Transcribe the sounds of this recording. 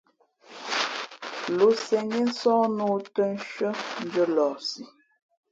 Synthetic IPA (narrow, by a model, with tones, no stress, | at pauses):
lo˨sɛ˨ŋe˦n̩˦sɔ̃˦no˦tə˦n˦ʃə˦n˦d͡ʒə˦lɔ˨si˨